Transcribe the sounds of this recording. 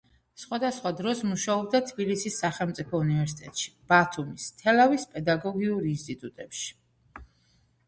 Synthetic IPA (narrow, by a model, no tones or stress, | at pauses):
sχwad̪asχwad̪ɾɔsmuʃaɔb̚d̪at̪ʰbilisisːaχɛlˠmt̪sʼipʰɔunivɛɾsit̪ʼɛt̪ʼʃi̥b̥at̪ʰumist̪ʰɛlavispʼɛd̪aɡɔɡiuɾinst̪ʼit̪ʼut̪ʼɛpʃi̥